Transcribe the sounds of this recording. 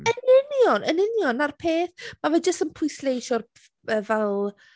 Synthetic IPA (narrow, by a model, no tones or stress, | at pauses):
ənɪnjɔnʔənɪnjɔnarpʰeːθmavɛːd͡ʒəstənpʰʊjslejʃɔr | əːvɛlˠ